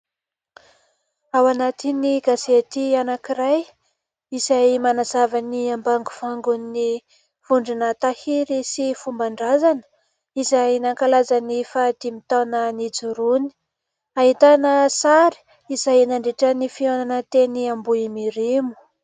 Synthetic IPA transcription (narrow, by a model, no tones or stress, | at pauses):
awanat̪iniɡaset̪ianakiɾaj | izajmanazavaniambaŋɡu̥faŋɡunni | v̥uɳɖ͡ʐinət̪ahiɾisifumbaɳɖ͡ʐazanə̥ | izainaŋkalazanifad̪̥imit̪anənid͡zuɾuni̥ | aɦit̪anəsaɾi̥ | izajnaɳɖ͡ʐeʈ͡ʂənifiananət̪eniambuimiɾimu̥